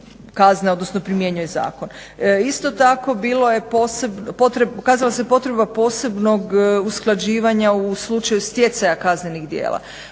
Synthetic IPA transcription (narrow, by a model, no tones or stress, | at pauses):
kazneo̞d̪nosnopɾimje̞ɲujeza̰ːkon | ist̪o̞t̪ako̞biːlo̞je̞posebpot̪ɾekaːzalˠasepo̞t̪ɾebapo̞ːse̞bno̞ɡusklˠad͡ʑiːʋaɲauslˠut͡ʃajust̪je̞t̪sajakazne̞niɣd̪jḛːlˠa̰